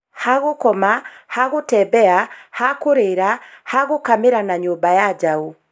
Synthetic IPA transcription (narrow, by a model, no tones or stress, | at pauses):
haɣokɔmahaɣotɛbɛahakoɾeɾahaɣokameɾanaɲoːmbajad͡ʒau